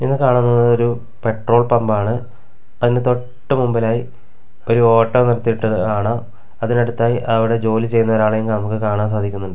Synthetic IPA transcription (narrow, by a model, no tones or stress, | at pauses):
enːɨkaːɳunːɐɐoɾu | pe̞ʈro̞ːɭpɐmbaːɳɨ | ɐðinde̞t̪o̞ʈʈːɨmumbɐlaːji | o̞ɾuo̞ːʈːɐːnirɐt̪ːiʈːɨaːɳɐ | ɐðineɽut̪ːaːjiʔɐʋiɽe̞d͡ʑo̞ːlit͡ɕe̞jːunːɐoːɾaːɭɐjuŋkaːnɐmukːɨkaːɳaːms̬aːd̪ʱikʲːunːuɳɖɨ